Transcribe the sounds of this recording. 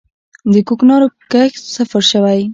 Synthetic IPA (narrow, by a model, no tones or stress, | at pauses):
d̪əkoknɑɾokəxsafaɾʃəwaj